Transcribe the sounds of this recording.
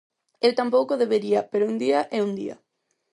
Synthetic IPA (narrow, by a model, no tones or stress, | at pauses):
ewt̪ampowkoðeβeɾiɐpeɾound̪iɐʔeund̪ḭɐ̰